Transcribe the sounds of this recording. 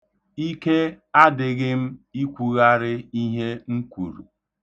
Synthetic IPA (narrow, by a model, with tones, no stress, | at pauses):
i˦ke˦ | a˦dɪ˨ɣɪ˦m̩˦i˦kʷu˨ɣa˦ɾɪ˦i˦ɦe˦ŋ̩˦kʷu˨ɾṵ˨